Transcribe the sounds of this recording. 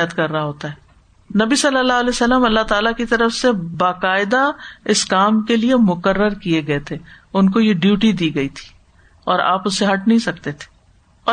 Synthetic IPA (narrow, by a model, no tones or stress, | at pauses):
jət̪kɐɾːɐɦaɦoːt̪aɦɛː | nɐbisɐlːəlːaːɦəlɛːsəlːəmɐlːaɦt̪aːlakit̪ɐɾəfsebaːkaːɪd̪aɪskaːmkeliemʊkəɾːəɾkieɡɐet̪ʰeːʊnkojeɖjuːʈid̪iːɡɐit̪ʰi̥ː | ɔːɾa̰ːpʊsːeɦɐʈ̚nɐɦĩsɐkt̪et̪ʰe̥ː | ɔː